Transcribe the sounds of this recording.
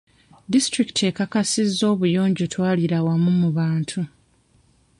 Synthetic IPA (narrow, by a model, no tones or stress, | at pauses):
distɾiktʰekakasizːo̞ːβujo̞ːɲɟotʰwaːliɾawamumuβaːntʰu